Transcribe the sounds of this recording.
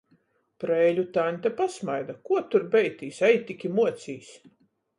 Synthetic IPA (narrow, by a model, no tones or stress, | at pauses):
pɾɛlʲut̪anʲt̪ʲapasmajd̪akuɔt̪uɾbɛjt̪ʲiːsajt̪ʲikʲimuɔt̪sʲiːs